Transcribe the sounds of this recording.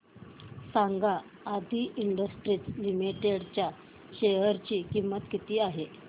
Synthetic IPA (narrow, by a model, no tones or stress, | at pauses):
saŋɡaː | d̪ʱiːʔiɳɖəsʈɾiːt͡slimiʈeɽt͡ɕja | ɕeɦəɾt͡ɕiːkimːət̪kit̪iːaɦe